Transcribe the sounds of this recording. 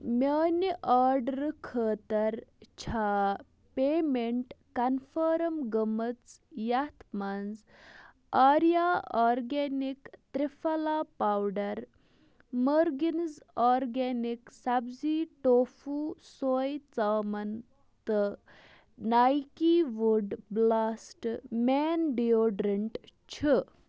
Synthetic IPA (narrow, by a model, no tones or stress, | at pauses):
mʲaːnʔaːɾɖəɾkʰəːt̪ɐɾt͡ɕʰaː | peːmeɳʈkɐnfəːɾɐmɡəmət͡sjat̪ʰmand͡z | aːɾjaaːɾɡenikt̪ɾifɐlapawɖɐɾ | məɾɡinzɔɾɡɛniksabd͡ziʈofusojt͡samɐn | t̪ə | najkiʋuɖblasʈmɛnɖioɖɾəɳʈt͡ɕʰə